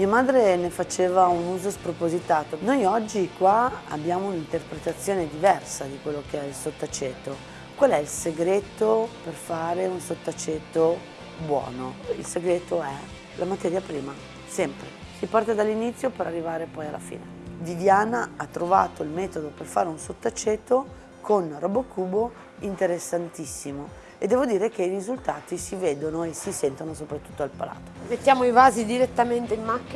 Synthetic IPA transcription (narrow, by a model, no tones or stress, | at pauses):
miamaːd̪ɾenefat͡ʃeːvaunuːzospɾopozit̪aːt̪onojɔd͡ʒːikwaa̰bːjaːmounint̪erpɾet̪at̪sːjoːned̪ivɛrsad̪ikwelːokeɛilsot̪ːat͡ʃet̪ːo | kwalːɛilseɡɾet̪operfaːɾeunsot̪ːat͡ʃet̪ːo | bwɔ̰ːnoilseɡɾeːt̪oɛ | lʔamat̪ɛːɾjapɾiːma | sɛmpɾḛ | sipart̪ad̪alːinit̪sːjopeɾarːivaːɾepɔjalʔa̰fḭːned̪id̪jaːnaat̪ːɾova̰ːt̪oilmɛːt̪od̪operfa̰ːɾeunsot̪ːat͡ʃːet̪ːo | kʰonrɔbokuːbo | int̪eɾesːant̪isːimo | ed̪ːɛːvod̪iːɾek̟eirizult̪aːt̪isiveːd̪onoesisɛnt̪onosopɾat̪ːu̥t̪ːoalpa̰la̰ːt̪o̥met̪ːjaːmoivaːzid̪iɾet̪ːament̪eimːakː